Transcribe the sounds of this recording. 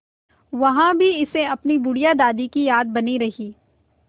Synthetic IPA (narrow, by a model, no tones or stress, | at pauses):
ʋɐɦãbʱiɪseɐpnibʊɽijad̪aːd̪ikijaːd̪̚bɐniɾɐɦiː